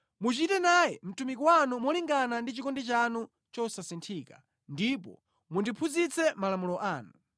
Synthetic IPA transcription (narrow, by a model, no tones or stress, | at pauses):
mut͡ʃitɛnajɛm̩tumikɔwanumɔliŋɡanandit͡ʃikɔndit͡ʃanu | t͡ʃɔsasintʰiːka̰ | ndipɔ̰ | mundipʰud͡zit͡sɛmalamulɔʔaːnu